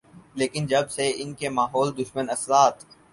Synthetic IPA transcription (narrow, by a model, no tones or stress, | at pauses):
leːkɪnd͡ʒɐbseɪnkemaːɦɔːld̪ʊʃmənɐsɾaːt̪